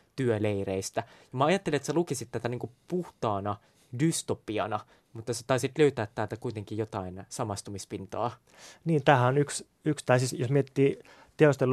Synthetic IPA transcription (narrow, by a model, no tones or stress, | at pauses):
t̪yøleireist̪æjɑmɑɑjɑt̪ːeliet̪selukisit̪ːæt̪æniːŋkupuht̪ɑːnɑ | dyst̪opiɑnɑ | mut̪ːɑse̥t̪ɑisit̪løyt̪æːt̪ːælt̪ækuit̪eŋkijjot̪ɑinsɑmɑst̪umispint̪oː | niːnt̪æːhæonyks | ykst̪æˑisisjosmiet̪ːiː | t̪eost̪el